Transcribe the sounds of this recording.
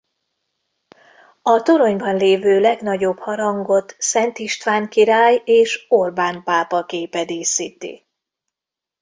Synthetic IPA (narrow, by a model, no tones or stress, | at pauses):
ɒt̪o̞ɾo̞ɲbɒnleːvøːlɛɡnɒɟo̞bhɒɾɒŋɡo̞t̪sɛnt̪iʃt̪ʋaːŋkiɾaːjeːʃo̞rbaːnpaːpɒkeːpɛd̪eːsit̪ḭ